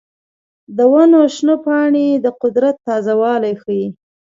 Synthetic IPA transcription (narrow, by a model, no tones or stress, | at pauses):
d̪əwanoʃnəpɑɳed̪əqʊd̪ɾat̪ːɑzawɑlajxəji